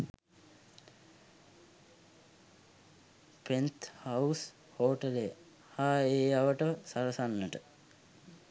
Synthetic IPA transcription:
pent̪haus | hoːʈəle | haːeːaʋəʈəsaɾəsanːəʈə

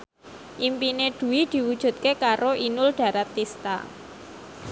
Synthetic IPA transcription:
ʔimpineɖ̥ṳwid̪̥i̤wud̥ʒ̥ṳt̪̚kekaɾoʔinʊlɖ̥a̤ɾat̪ːist̪a̰

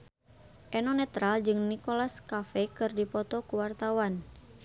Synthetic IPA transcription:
ʔɛnɔnɛt̪ɾald͡ʒɨŋnikolaskafɛkɨrdipɔt̪ɔkuwart̪awan

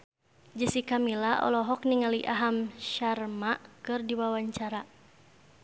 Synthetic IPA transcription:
d͡ʒəsikamilaɔ̰lɔɦɔk̚niŋaliʔaɦamʃarmaʔkɨrdiwawaɲt͡ʃaɾa

